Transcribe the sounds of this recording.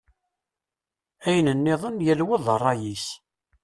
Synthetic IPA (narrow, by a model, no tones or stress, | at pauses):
æjənənːɪðˤənjælwəðˤərˤːɑjis